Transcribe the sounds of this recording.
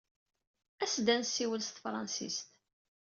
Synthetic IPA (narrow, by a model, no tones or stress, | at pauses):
æsd̪ænsːiwəlst̪fɾˤɑ̰nsḭst̪